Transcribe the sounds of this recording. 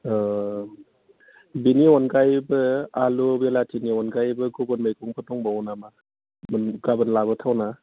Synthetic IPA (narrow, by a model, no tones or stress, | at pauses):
biniɔnɡajbɯalubelatʰiniɔnɡajbɯɡobɔnmajkʰɔŋpʰɯtɔŋbawɔnama | mɯnɡabɯnlaβɯtʰawna